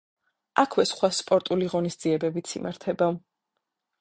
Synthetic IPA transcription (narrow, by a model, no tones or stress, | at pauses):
akʰwɛsχwaspʼɔɾt̪ʼuliʁɔnisd̪ziɛbɛbit̪sʰḭmʔaɾt̪ʰɛbav